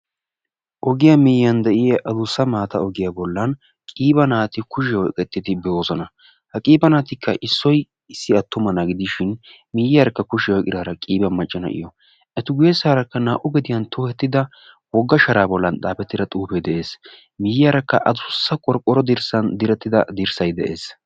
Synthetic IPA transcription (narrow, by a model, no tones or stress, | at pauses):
ʔɔɡɪjamɪjːɐnd̪ɛʔɪjɐʔɐd̪ʊsːɐmaːt̪ɐɔɡɪjaːbɔlːɐn | kʼiːbɐnaːt̪ɪkʊʃ̬ɪwɔjkʼɛt̪ːɪd̪ɪbɛoːzɔnɐ | hɐkʼiːbɐnaːt̪ɪkʰːɐʔɪsːɔj | ɪsːɪɐt̪ːʊmɐnɐɡɪd̪ɪʃɪn | mɪjɪjaɾɐkːɐkʊʃɪwɔjkʼɪd̪aːɾɐkʼiːbɐnmɐt͡ʃʼːɐnɐ̰ʔɪ̰jɔ | ʔɛt̪ʊɡʊjɛsaːɾɐkːɐnaːʔʊɡɛd̪ɪjɐnt̪ʊːhɛt̪ːɪd̪ɐ | wɔɡːɐʃɐɾaːbɔlːɐnᶑ̪ʼaːpɛt̪ːɪd̪ɐt̪ʼuːpɛjd̪ɛʔe̞ːs | mɪjɪjaːɾɐkːɐʔɐd̪ʊsːɐkʼɔɾkʼːɔɾɔd̪ɪɾsɐnd̪ɪɾɛt̪ːɪd̪ɐ̰d̪ɪɾsɐjd̪ɛʔe̞̰ːs